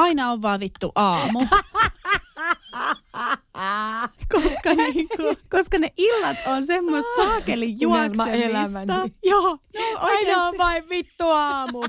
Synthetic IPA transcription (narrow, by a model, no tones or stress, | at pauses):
ɑinɑoʋʋɑːʋʋit̪ːuʔɑːmu | koskɑniːŋkukoskɑneʔilːɑt̪onsemːost̪sɑːkelijjuɑlsɑeelæsmænt̪ɑijoːnoɑinɑoʋʋɑiʋʋit̪ːuɑːmu